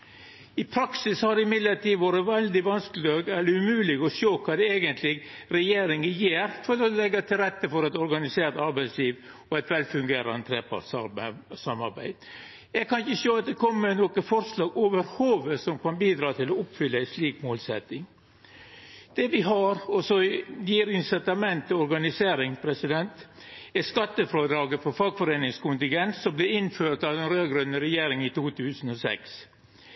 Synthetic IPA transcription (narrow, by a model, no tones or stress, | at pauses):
ɪpʰɾɑksɪshɑɖɛɪmɪd̪ləʈiːʋoːɾəʋɛld̪ɪʋɑnsklɪøːɡɛlːəʉmʉːlɪɡɔʃoːkʰɑːd̪ɛeːɡənt̪ʰlɪɡɾɛjeːɾɪŋəjeːɾfɔɾɔlɛɡːɑt̪ʰɪlɾɛt̪ːəfɔɾɛt̪ɔɾɡɑnɪseːɾt̪ɑɾbæɪsliːʋ | ɔɛt̪ʋɛlfʉŋɡeːɾɑnət̪ʰɾeːpʰɑ̰ʈsɑsɑmːɑɾbæ̰ɪd̪̥ | ɛɡkʰɑnɪçəsøːɑt̪̚d̪ɛkʰɔmːənɔkəfɔɾslɑːɡoːʋəɾhoːʋəsɔmkɑnbiːd̪ɾɑːt̪ʰɪlɔʊpfʏlːəæɪsliːkmoːlsɛt̪ɪŋ | d̪̥ɛʋɪɦɑɾɔsɔjjiːɾɪŋsɛt̪ɑmɛnt̪əɔɾɡɑnɪseːɾɪŋpʰɾɛsɪd̪ɛnt̪ | æskɑt̪ːəfɾoːd̪ɾɑːɡəfɔɾfɑlɡfɔɾeːnɪŋskʊnt̪ɪŋɡɛnssɔmblɛɪnføːɾʈ̪ɑʋdɛnɾøːɡɾœnːəɾɛjeːɾɪŋit̪uːt̪ʰʉːsn̩ɔsɛ̰ks